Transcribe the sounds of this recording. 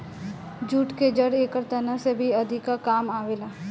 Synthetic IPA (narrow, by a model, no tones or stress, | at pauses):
d͡ʒuːʈked͡ʒəɽeːkəɾt̪ɐnəsebʱiɐd̪ʱɪkːakaːmaːʋeːlaː